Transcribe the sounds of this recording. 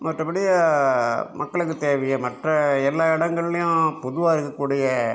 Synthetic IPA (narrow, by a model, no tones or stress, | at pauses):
mɐʈrɐpɐɽɪjɐ | mʔɐkːɐɭɯkːɯt̪eːʋɐjɐmɐʈrɐɛlːaːɪɽɐŋɡɐɭlɐjʊ̃pɔðʊʋaːɪɾɯkːɐkːuːɽɪjɐ